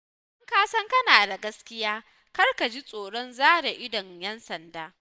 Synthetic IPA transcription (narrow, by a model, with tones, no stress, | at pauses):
ʔɐ˦ŋkaː˦sɐ˦ŋkɐ˦naː˨da˨ɡɐ˦skʲɪ˦jaː˦ | kɐ˦rka˨d͡ʒi˦sʼoː˨ɽɔ˦nzaː˦ɽa˨ʔɪ˦dɔ˨ɲjɛ˦nsɐ˨ndaː˦